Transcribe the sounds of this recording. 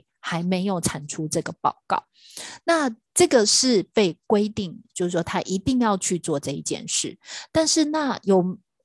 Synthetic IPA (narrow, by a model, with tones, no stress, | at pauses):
xa˧˥ɪme˧˥ɪjo˨˩ʊʈ͡ʂʰa˨˩nʈ͡ʂʰu˥ʈ͡ʂɤ˥˩ɡə˩pɑ̰˥˩ʊkɑ̰˥˩ʊ | na˥˩ʈ͡ʂɤ˥˩ɡə˨˩ʂɻ̩˥˩pe˥˩ɪkwe˥ɪt̪i˥˩ŋt͡ɕjo˥˧ʊʂ̩˥˩ʂwɔ˥t̪ʰa˥ʔi˧˥t̪i˥˧ŋjɑ˥˧ʊt͡ɕʰy˥˧t͡swɔ˥˨ʈ͡ʂɤ˥˧ḭ˥˧˩t͡ɕjɛ̰˥˧nʂɻ̩˥˩t̪a˥˧nʂɻ̩˥˧na˥˩jo˨˩ʊ